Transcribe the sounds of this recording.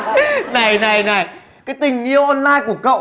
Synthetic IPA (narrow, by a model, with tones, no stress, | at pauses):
na˨˩jna˨˩jna˨˩j | kaː˨˦jt̪ï˨˩ŋ̟ʔḭ˧˨əwʔɔ˧nlaː˧jku˧˩əkə̰˧˨w